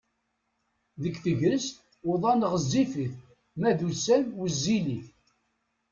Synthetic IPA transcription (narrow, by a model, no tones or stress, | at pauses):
ðəkːθəʝɾəst̪ | ʊðˤɑnəʁəzːifiθ | mæðusænwəzːiliθ